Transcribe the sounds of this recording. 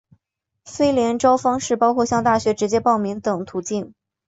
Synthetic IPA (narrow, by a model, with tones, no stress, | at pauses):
fe˥ɪljɛ˧˥nʈ͡ʂɑ˥ʊfɑ˥ŋʂɻ̩˥˩pɑ˥ʊkʰwɔ˥˧ɕjɑ˥˧ŋt̪a˥˩ɕɥɛ˧˥ʈ͡ʂɻ̩˧˥t͡ɕjɛ˥pɑ˥˩ʊmi˧˥ŋt̪ɤ˨˩ŋt̪ʰu˧˥t͡ɕi˥˩n